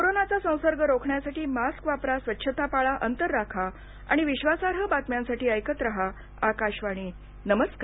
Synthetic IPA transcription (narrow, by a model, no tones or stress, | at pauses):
koɾonat͡sasə̃w̃səɾɡəɾokʰɳjasaʈiːmaskʋapɾasʋətːɕʰət̪apaɭaʔənt̪əɾːakʰa | a̰ɽ̃iʋiɕʋasaɾɦəbat̪mjãnsaʈiːəjkət̪ɾəɦa | akaɕʋaɽ̃iː | nəməska